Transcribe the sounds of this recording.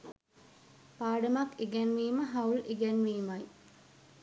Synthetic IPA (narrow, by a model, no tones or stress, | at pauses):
paːɖəmakeɡænʋiːməɦɐwleɡænʋiːmaj